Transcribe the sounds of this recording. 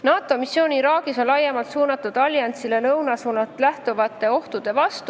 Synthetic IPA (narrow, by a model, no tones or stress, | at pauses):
nɑːt̪ːˑo̞misjo̞ːnʲiɾɑːɡ̥iso̞nlɑjːemɑlt̪suːnɑt̪ːˑud̪̥ɑlʲjɑnt̪silenɤwnɑsuːnɑt̪læht̪uvɑt̪ːˑe̞o̞ht̪ud̪̥e̞vɑst̪u